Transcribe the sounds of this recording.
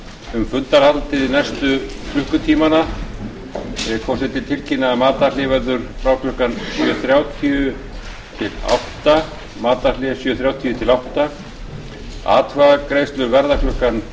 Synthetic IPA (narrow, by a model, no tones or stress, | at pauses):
ʏmfʏnt̪aɾ̥halt̪ɪðɪnɛjst̪ʏkʰlʏhkʏt̪ʰiːmana | kʰɔsɛt̪ɪt̪ʰɪlcʰinːamaːt̪alɪvɛɾðʏɾ̥fɾaːwkʰlʏhkansjœθɾjaːwt̪ʰiʏ | t̪ʰɪla̰wht̪a | maːt̪alɛsjœːθɾjawt̪ʰiʏt̪ʰɪlawht̪a | a̰ːt̪ʰvaɣakɾeːjst̪lʏɾvɛɾðakʰlʏhkan